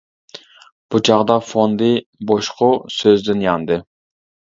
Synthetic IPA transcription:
b̥ut͡ʃʰɑʁd̪ɑfond̪ɨboʃqʰʊsøzd̪ɪnjɑnd̪ɨ

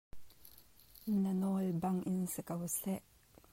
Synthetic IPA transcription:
nanɔlbaŋʔɪnsɛkawsɛʔ

